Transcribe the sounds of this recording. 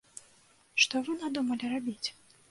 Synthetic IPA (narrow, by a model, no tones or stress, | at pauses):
ʂt̪ɔvɨnad̪umɐlʲiɾabʲit͡sʲ